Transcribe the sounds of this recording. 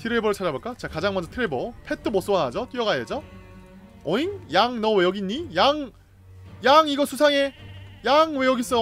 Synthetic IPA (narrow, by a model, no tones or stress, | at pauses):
tʰiɾebʌɾɯɭt͡ɕʰad͡ʑaboɭk͈at͡ɕakad͡ʑaŋmʌɲd͡ʑʌtʰɯɾebopʰetʰɯmʌs͈owaɦad͡ʑʌt͈ijʌɡaed͡ʑʌ | ʌiŋjaŋnʌwejʌɡiɲːijaŋ | jaŋiɡʌsʰusʰaŋe̞jaŋwe̞jʌɡis͈ʌ